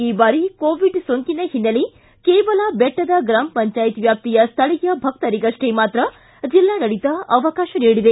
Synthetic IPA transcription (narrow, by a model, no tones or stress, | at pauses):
iːbaːɾikoːʋiɖsoŋkinɐɦinːɐli | keːʋɐlɐbeʈːɐd̪ɐɡɾaːmɐpɐɲt͡ʃaːjit̪ʋjaːp̚t̪ijɐst̪ʰɐɭijɐbʱɐk̚t̪ɐɾiɡɐʂʈemaːt̪ɾɐ | d͡ʒilːaːɡɐɭit̪ɐɐʋɐkaːʃɐniːɽid̪e